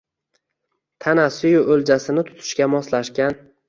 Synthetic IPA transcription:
t̪ʰanasʊjʊɵld͡ʒasɪnɪt̪ʰʊ̥t̪ʰɪ̥ʃkʲamɒslaʃkʲan

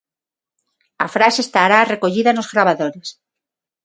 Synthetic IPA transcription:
a̰fɾasest̪aɾareko̞ʎiðanozɣɾaβaðoɾes

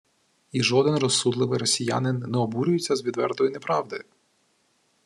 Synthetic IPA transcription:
iʒɔd̪ɛnrɔsud̪lˠɪʋɪjɾɔsʲija̰nɪnːɛɔbuɾʲʊjet͡sʲːɐzʋʲid̪ʋɛ̰rt̪ɔjʊnepɾɑʋd̪ɪ

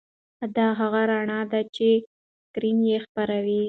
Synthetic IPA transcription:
d̪ɑɦaɣaɾaɳɑd̪at͡ʃe | kɾimjexpaɾawi

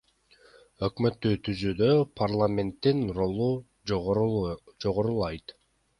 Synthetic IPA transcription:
ø̞kmø̞t̪ːyːt̪ʰyzyːd̪øpʰarlˠamʲe̞nt̪ːinro̞lˠu | d͡ʒoʁoɾulˠɑjt̪

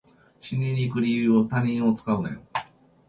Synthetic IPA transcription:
ɕiɲʲiɾʲikɯ̟ɾʲijɯːot̪aɲ̟ĩɰ̃o̞t͡sɨ̥kaɯ̟nḛ̃

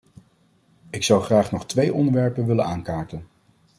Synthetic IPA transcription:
ɪksɑwχraːχnɔχtʋejʔɔ̰ndəɹʋɛɹpənʋɪlənaːŋkaːɹtən

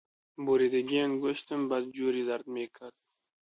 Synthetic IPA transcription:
boɾid̪aɡianɡoʃt̪əmbad̪̚d͡ʒuːɾid̪aɾd̪mekʰad̪̚

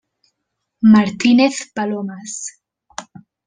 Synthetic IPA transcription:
maɾt̪ineθpalomas

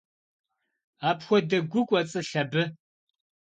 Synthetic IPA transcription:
aːpxʷɔdɐɡʷʊkʷʼɔt͡sʼɨɬɐbɨ

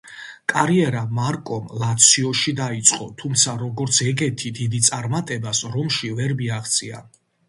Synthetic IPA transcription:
kʼaɾiɛɾamaɾkʼɔmlat̪sʰiɔʃid̪ait̪sʼqʼɔt̪ʰumt̪sʰaɾɔɡɔɾt̪sʰɛɡɛt̪ʰid̪id̪it̪sʼaɾmat̪ʼɛbasɾɔmʃivɛɾbiaχt̪sʼia̰n

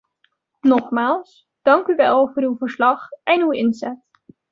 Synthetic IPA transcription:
nɔχmaːlˠs | d̥ɑŋkyʋɛlˠvʊːɾywvəɹslɑχʔɛnywɪnzɛt

